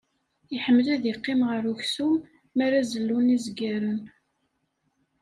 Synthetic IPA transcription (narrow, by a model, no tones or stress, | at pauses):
iħəmːlæðiqːɪmʁəɾuçsumː | aɾæzəlːunizɡæɾən